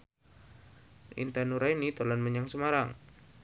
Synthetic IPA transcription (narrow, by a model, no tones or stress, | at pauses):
ʔḭnt̪anuɾainit̪ɔlanməɲaŋsəmaɾaŋ